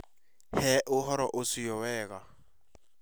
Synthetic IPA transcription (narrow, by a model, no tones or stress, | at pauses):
hɛʔʊɦɔɾaʔʊsɪjɔwɛːk̬a